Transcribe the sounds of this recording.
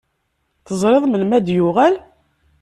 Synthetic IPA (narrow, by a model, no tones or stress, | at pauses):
θəzˤɾˤeðˤmənmæd̪jʊʁæl